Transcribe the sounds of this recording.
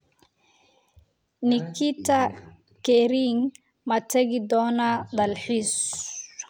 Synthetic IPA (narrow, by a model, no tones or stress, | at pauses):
nɪkʰit̪ʰɐ | kɛɾiŋ | mɐt̪ʰɐɣɪd̪ɔːnɐd̪ɐlħiːs